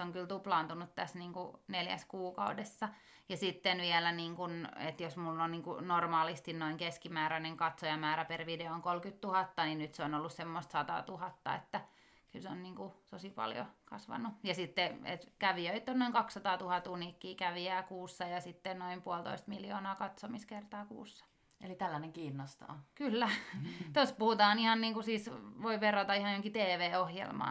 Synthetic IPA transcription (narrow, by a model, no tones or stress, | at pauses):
oŋkylt̪uplɑːnt̪unut̪t̪æsniːŋkuneljæ̰skuːkɑudesːɑ | jɑsit̪ːenʋiɛlæniːŋkunḛt̪josmulːonniːŋkṵnormɑːlist̪innoiŋkeskimæːɾæneŋkɑt̪sojɑmæːɾæperʋideooŋkolkyt̪t̪uhɑt̪ːɑninyt̪seonolːussemːost̪sɑt̪ɑ̰ːt̪uhɑt̪ːɑ̰ḛt̪ːæ | kylseonniːŋkut̪osipɑ̰ljo̰kɑ̰sʋɑ̰nːujɑsit̪ːeḛt̪kæʋiøit̪ːˑonnoiŋkɑksːɑt̪ɑːt̪uhɑt̪unikːiːkæʋiæːkuːsːɑjɑsit̪ːennoimpuolt̪o̰ist̪miljo̰ːnɑːkɑt̪somiskert̪ɑːkṵːsːɑ̥ | elit̪ælːæneŋkiːnːost̪o̰ːkylːæt̪ospuhut̪ɑːnihɑnniːŋkusiːsʋoiʋerot̪ɑihɑjooŋkit̪eːʋeːohjḛlmɑ̰